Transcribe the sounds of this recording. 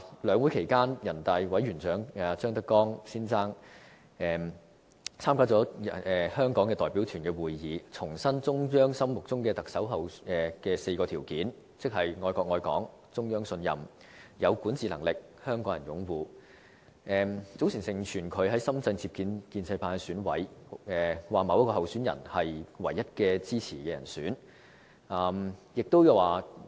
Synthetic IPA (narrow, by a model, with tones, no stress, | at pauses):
lœː˨˧ŋwu˨˥jkʰe˨˩jkaː˥njɐ˨˩nt̪ɐ˨˧jwɐ˨˥jɥyː˨˩nt͡ʃœː˨˥ŋa˨˧t͡ʃœː˥ŋt̪ɐ˥kːɔː˥ŋsiː˥nt͡saː˥ŋ | ɛː˨˧m | t͡sʰaː˥mkaː˥t͡sɔː˨˥ɐ˨ɛː˨hœː˥ŋkɔː˨˥ŋkɛː˧t̪ɔː˨jpi˨˥wt̪ʰyː˨˩nkɛː˧wuː˨jjiː˨˧t͡sʰʊ˨˩ŋsɐ˥nt͡sʊ˥ŋjœː˥ŋsɐ˥mːʊ˨k̚t͡sʊ˥ŋkɛː˧t̪ɐ˨˩k̚sɐ˨˥wɦɐ˨wɛ˨kɛː˧se˧jkɔː˧t̪ʰiː˨˩wkiː˨˥n | t͡sɪ˥k̚ɦɐ˨˩jŋɔː˧jkɔː˧k̚ŋɔː˧jkɔ̰ː˨˥ŋ | t͡sʊ˥ŋjœː˥ŋsɵ˧njɐ̰˨m | jɐ˨˧wkuː˨˥nt͡siː˨lɐ̰˨˩ŋlɪ˨k̚ | hœː˥ŋkɔː˨˥ŋjɐ˨˩njʊ˨˥ŋwuː˨˧ | ʔɛː˨˧mt͡so˨˥wsʰiː˨˩nsɪ˨˩ŋt͡ʃʰyː˨˩nkʰɵ˨˧ɥɦɐ˨˥jsɐ˥mt͡sɐ˧ŋt͡sʰiː˧p̚kiː˧nkiː˧nt͡sɐ˧jpaː˧nsyː˨˥nwɐ̰˨˥jɛː˨waː˨˩mɐ˨˧wjɐ˥kɔː˧ɦɐ˨˩wsyː˨˥njɐ̰˨˩nhɐ˨jwɐ˨˩jːɐ˥t̚kɛː˧t͡siː˥t͡sʰiː˨˩kɛː˧jɐ̰˨˩nsyː˨˥n | ʔaː˨˩mjɪ˨k̚t̪o˥wjwaː˨˩